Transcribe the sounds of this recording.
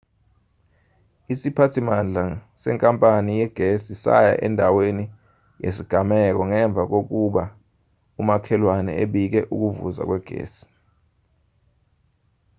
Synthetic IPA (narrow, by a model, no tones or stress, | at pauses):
isipʰatʰimand͡ɮʱa | sɛ̰ŋkʼampʼanijɛɡ̥ʱesisa̰ja̰ʔɛ̰ndʱaweni | jḛsiɡ̥ʱamɛk̬ɔŋɛɱb̪vʱak̬ok̬uɓa | umakʰɛlwanɛ̰eɓik̬ɛʔuk̬uvṵza̰k̬wɛɡ̥ʱḛːsi̥